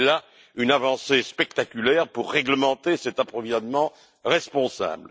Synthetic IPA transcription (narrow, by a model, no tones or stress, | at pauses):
la | ynavɑ̃sespɛkt̪akʲylɛʁpuʁːɛɡləmɑ̃t̪esɛt̪apχɔvizɔnmɑ̃ | ʁɛspɔ̃sa̰bl